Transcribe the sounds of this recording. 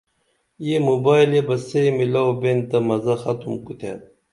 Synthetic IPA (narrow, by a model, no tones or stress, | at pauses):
jemobaːjlebɐsejmilawbent̪ɐmɐzɐxɐt̪umkut̪ʰḛt̪̚